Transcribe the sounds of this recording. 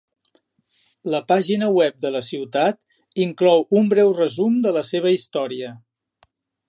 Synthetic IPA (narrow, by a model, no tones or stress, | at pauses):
ləpaʒinəwɛp̚d̪ələsiwt̪at̪ | iŋklɔwumbɾɛwrəzumd̪ələseβ̞əist̪ɔɾiə